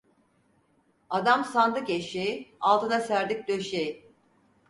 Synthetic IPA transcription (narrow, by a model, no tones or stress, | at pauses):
ad̪amsand̪ɯkeʃeialˠt̪ʰɯnasæɾd̪ic̚d̪øʃeji